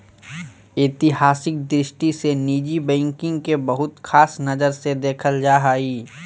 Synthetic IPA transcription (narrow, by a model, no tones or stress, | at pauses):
ɪːt̪ɪɦaːsɪk̚d̪ɾɪʃʈiseniːd͡ʒibɛ̃ːŋkɪ̃ŋɡkebɐɦʊt̪xʰaːsnɐzəɾsed̪eːkʰəld͡ʒaːɦaːiː